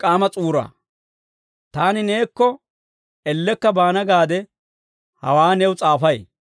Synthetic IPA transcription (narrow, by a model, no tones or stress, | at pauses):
kʼaːmɐt͡sʼuːɾa̰ː | t̪aːnɪneːkːɔ | ɛlːɛkːɐbaːnɐɡaːd̪ɛ | hɐ̰waːnɛwʊt͡sʼaːfɐj